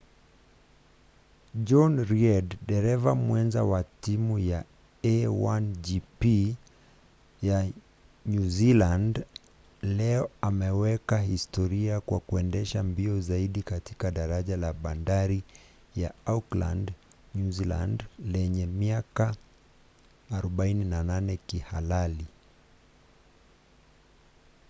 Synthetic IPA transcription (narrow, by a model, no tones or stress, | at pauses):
d͡ʒɔnɾiɛdːɛɾɛvamwɛnza̰watimuja | ɛwand͡ʒipi | ja | ɲuziland | lɛɔamɛwɛkahistɔɾiakwakuɛndɛʃambiɔzaiɗikati̥kaɗaɾaʄalaɓandaɾi | ja̰aukla̰nd | ɲuzila̰ndlɛɲɛmiaka | ɾɔɓaininananɛkihalali